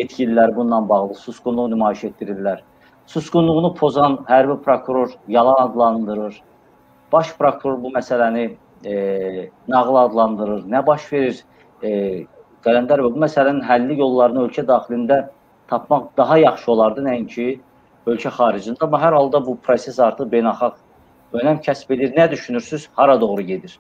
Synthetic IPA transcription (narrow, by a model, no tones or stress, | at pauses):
et̪cʰililæɾbunːɑnbɑɣlˠɯsusɡunlˠuʁnymɑːiʃet̪̚d̪iɾillæɾ | susɡunlˠuʁnupʰo̞zɑnhæɾbipʰɾokʰuɾo̞ɾjɑlˠɑnɑd̪lˠɑnd̪ɯɾɯɾ | b̥ɑʃpʰɾokʰuɾo̞ɾbumæsælæni | nɑʁlˠɑd̪lˠɑnd̪ɯɾɯɾnæbɑʃve̞ɾiɾ | ɡ̪̥ælænd̪æɾbæbumæsælæninɦælːijo̞lˠːɑɾɯnø̞lcʰæd̪ɑːχilind̪æ | t̪ʰɑpʰmɑχd̪̥ɑɦɑjɑχʃɯo̞lˠɑɾd̪ɯnæincʰi | ø̞lcʰæχɑːɾid͡ʒɯnd̪ɑmːɑɦæɾhɑlˠd̪ɑbupʰɾo̞se̞sɑɾt̪ʰɯχbe̞jnɑlˠχɑʁ | ø̞næmcʰæsbe̞d̪iɾnæd̪yʃynyɾsyz̥hɑɾɑd̪o̞ɣɾuɟe̞d̪iɾ̥